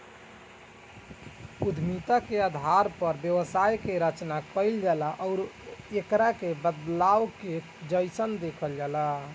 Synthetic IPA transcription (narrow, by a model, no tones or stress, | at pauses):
ud̪ʱmit̪akead̪ʱaɾpəɾbjəʋsajkeɾət͡ʃnakəɪld͡ʒalaʔɔʊɾekɾakebəd̪lawke | d͡ʒəjsənd̪ekʰəld͡ʒala